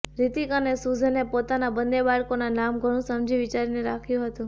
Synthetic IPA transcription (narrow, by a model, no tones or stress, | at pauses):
ɾit̪ikənesud͡ʒʱnepot̪anabənd̪ebaɭkonanamɡʱəɽ̃ũsəmd͡ʒiʋit͡ʃaɾineɾakʰjũɦət̪ũ